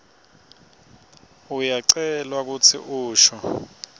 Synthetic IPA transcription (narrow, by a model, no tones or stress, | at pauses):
ujaǀɛlwak̬ut͡sʰḭʔuːʃɔ